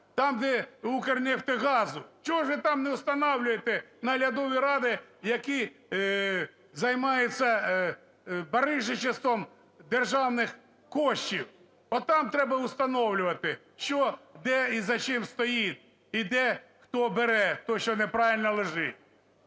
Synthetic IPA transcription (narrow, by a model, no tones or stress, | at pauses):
t̪ɑmd̪ɛukernʲɪxt̪ɪɣɑzʊʃt͡ʃɔɦɔʒʋɪt̪ɑmnɛʊst̪ɐnɑwlʲʊjet̪ɛnɐɦlʲɐd̪ɔʋʲiɾɑd̪ɪjɐki | zɐjmɑjɪt͡sʲːɐ | bɐɾɪʒɪt͡ʃɪst̪ɔm | d̪erʒɑwnɪx | kɔʃt͡ʃʲiw | ɔt̪ɑmt̪ɾɛbɐʊst̪ɐnɔwlʲʊʋɐt̪ɪ | ʃt͡ʃɔd̪ɛizɐt͡ʃɪmst̪ɔjit̪̚ʲ | id̪ɛxt̪ɔbeɾɛt̪ɔʃt͡ʃɔnepɾɑʋʲilʲnɔlˠeʒɪt̚ʲ